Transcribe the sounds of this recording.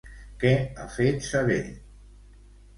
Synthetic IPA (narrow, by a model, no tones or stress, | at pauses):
kɛafet̪saβḛʎ